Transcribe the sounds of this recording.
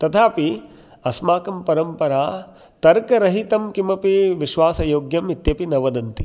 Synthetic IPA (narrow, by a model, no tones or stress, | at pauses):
t̪ɐt̪ʰaːpi | ɐsmaːkɐmpɐɾɐmpɐɾaː | t̪ɐɾkɐɾɐɦit̪ɐmkimɐpiʋiʃʋaːsɐjoːɡjɐmit̪jɐpinɐʋɐd̪ɐnt̪i